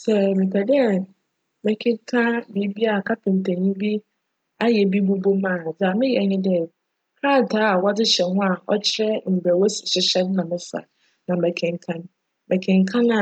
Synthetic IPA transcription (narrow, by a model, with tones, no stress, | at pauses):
sɛ˨mɪ˨kʰɛ˨dɛ˦˨ | mɛ˨kʰɪ̃˦kʰã˦bi˨˦bi˦a˨kʰa˦pʰɪ̃˨n˨tʰɛ˨ɲĩ˦bi˦ | a˦jɛ˨bi˦bu˦bo˦mãː˦˨d͡za˨mɪ̃˦jɛ˨ɲɪ̃˦dɛ˦ | kʰaː˦˨tʰaː˦a˨wa˦dɪ˦ɕɛ˨hʊ̃˦a˨ʔɔ̰˦t͡ɕʰɪ˦ɾɛ˦m̩˨bɛ˨wɔ˦sɪ̥˨ɕɪ˦ɕɛ˦n˦nã˨mɪ̃˦sa̰˨ | nã˨mɛ˨kʰɪ̃˨ŋ˨kʰã˦n˦ | mɛ˨kʰɪ̃˨ŋ˨kʰã˦nã˨